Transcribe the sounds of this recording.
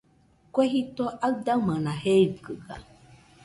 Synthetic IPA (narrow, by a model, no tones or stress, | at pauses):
kʷeɦit̪oʔad̪amãnãheɡəɡa̰